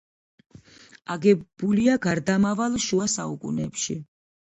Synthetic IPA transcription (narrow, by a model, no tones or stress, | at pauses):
aɡɛbuliaɡaɾd̪amavalˠʃuasaukʼṵnɛpʃi